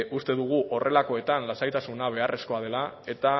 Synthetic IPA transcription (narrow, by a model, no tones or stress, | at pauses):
ʔust̪e̞ðuɣ̞uʔo̞rʔe̞lako̞e̞t̪anlasajt̪asunaβ̞e̞are̞sko̞að̞e̞lae̞t̪a